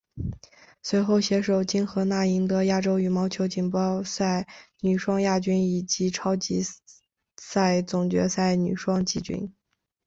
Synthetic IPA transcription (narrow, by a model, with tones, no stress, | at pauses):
swe˧˥ɪxo˥˩ʊɕjɛ˧˥ʂo˨˩ʊt͡ɕi˥nxɤ˧˥na˥˩i˧˥ŋt̪ɤ˧˥ja˥ʈ͡ʂo˥ʊy˨˩mɑ˧˥ʊt͡ɕʰjo˧˥ʊt͡ɕi˨˩npɑ˥ʊsa˥˩ɪny˨˩ʂwɑ˥ŋja˥˩t͡ɕy˥ni˨˩t͡ɕi˧˥ʈ͡ʂʰɑ˥ʊt͡ɕi˧˥ | sa˥˩ɪt͡sʊ˨˩ŋt͡ɕɥɛ̰˧˥sa˥˩ɪny̰˨˩ʂwɑ˥ŋt͡ɕi˥˩t͡ɕy̰˥n